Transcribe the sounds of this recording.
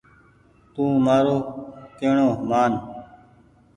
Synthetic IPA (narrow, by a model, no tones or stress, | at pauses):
t̪ũːmaːɾoːk̪eːɳoːmaːn